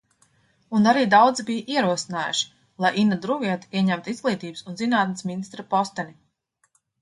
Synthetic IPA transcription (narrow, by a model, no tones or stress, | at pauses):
unaɾiːd̪awd̪zibijʔiɛɾuɔsinaːjuʃi̥ | lˠajʔinad̪ɾuviɛt̪u̥iɛɲæmt̪uizɡlˠiːt̪iːbɨsunzinaːt̪̚nasminist̪ɾapɔst̪ɛnʲi